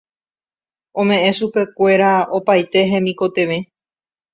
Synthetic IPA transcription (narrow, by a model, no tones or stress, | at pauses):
õ̞mẽ̞ʔẽ̞ʃupe̞kʷe̞ɾao̞pajt̪e̞ɦẽ̞mĩko̞t̪e̞ʋẽ̞